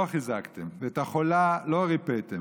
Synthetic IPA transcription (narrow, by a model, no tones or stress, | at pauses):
aχizakt̪emveːt̪aχolaloaʁipet̪e